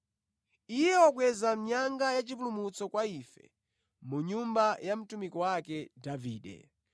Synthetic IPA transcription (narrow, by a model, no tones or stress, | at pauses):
ijɛɔkwɛzam̩ɲaŋɡajat͡ʃip̬ulumut͡sɔkwaifɛ̰ | muɲumbajam̩tumikɔwakɛdaviːɗɛ̰